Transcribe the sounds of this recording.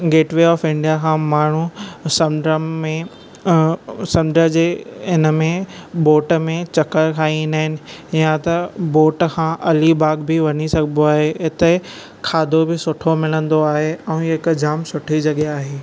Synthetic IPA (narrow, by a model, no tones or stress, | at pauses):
ɡeːʈʋeːɔːfɪ̃ɳɖijakʰãmaːɳ̤usɐmɖəẽ | sɐ̃mɖəd͡ʑeːɪnəmẽboːʈəmẽt͡ɕɐkəɾkʰaːĩnaɦɪnɪ̆jãt̪ɐboːʈkʰãːʔɐlibaːɡbɪʋɐɲisɐɡʱnd̪oaːɦeɦɪt̪e | kʰaːd̪ʱobɪsʊʈʰomɪlə̃nd̪oaːɦeɛ̃ːɦɪkd͡ʑaːmsʊʈʰid͡ʑɐɠeaːɦeː